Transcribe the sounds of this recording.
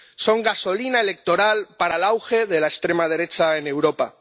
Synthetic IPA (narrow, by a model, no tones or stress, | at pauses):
so̞ŋɡaso̞linae̞le̞k̚t̪o̞ɾalpaɾalawxe̞ð̞e̞laest̪ɾe̞mað̞e̞ɾe̞t͡ʃaenewɾo̞pa